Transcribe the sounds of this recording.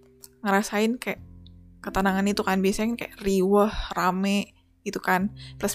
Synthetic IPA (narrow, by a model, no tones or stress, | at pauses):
ŋəɾasaɪnkajaʔkət̪anaŋanit̪ukanbiasankajaʔriwɔhramɛ | it̪ukanplas